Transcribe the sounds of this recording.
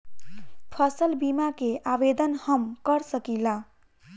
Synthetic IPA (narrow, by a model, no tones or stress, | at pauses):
pʰəsəlbimakeʔabed̪ənhəmkəɾsəkila